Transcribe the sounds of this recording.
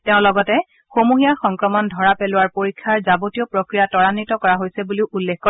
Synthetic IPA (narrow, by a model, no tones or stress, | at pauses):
tɛʊ̃lɔɡɔtɛ | xomuɦijaxɔŋkɹɔmɔndʱɔɹapelʊwaɹpoɹikʰːaɹzabotijɔpɹokɹijatɔɹanitɔkɔɹaɦojsɛbuliʊʔulːekkoɔ